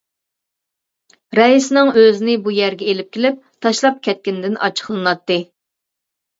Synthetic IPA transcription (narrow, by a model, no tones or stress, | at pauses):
ɾɛisɪnɪŋøzɪnɪbujæɾɡʲɛelɪp̚kʲʰelɪp̚t̪ʰɑʃlˠɑp̚kʲɛt̪̚kʲɪnd̪ɪnʔɑ̰t͡ʃʰə̥χlˠɨnɑt̪ːɨ